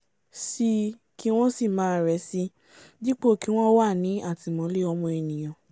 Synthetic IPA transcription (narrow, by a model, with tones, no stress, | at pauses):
si˧ | ki˦w̃ɔ̃˦si˦˨mãː˨˦˨ɾɛ˨˦si˦ | di˦k͡po˦˨ki˦w̃ɔ̃˦wa˦˨nĩ˨˦a˦˨ti˨˧˨mɔ̃˨˦le˦ɔ˧mɔ̃˧e˧nĩ˨j̃ɔ̃˨